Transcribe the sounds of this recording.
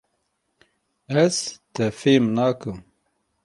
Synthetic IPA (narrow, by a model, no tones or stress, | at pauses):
æzt̪ɛfeːmnaːkɨm